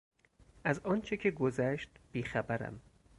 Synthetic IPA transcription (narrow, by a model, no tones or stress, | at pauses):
ʔæzɒːnt͡ʃʰecʰeɡozæʃt̪b̥iːxæbæɾæ̰m